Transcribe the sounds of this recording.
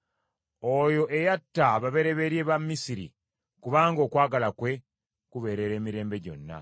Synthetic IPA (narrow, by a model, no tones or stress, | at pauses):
ojo̞ʔe̞jatːaβaβe̞ɾe̞βe̞ɾje̞ːβamːisiɾḭ | kuβaːŋɡo̞ːkwaːɡalakwe̞ | kuβe̞ːɾe̞ɾe̞ːmiɾe̞ːmbe̞ɟo̞̰nːa̰